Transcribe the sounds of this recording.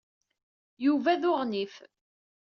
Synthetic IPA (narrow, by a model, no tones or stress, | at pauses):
juvæðʊʁnif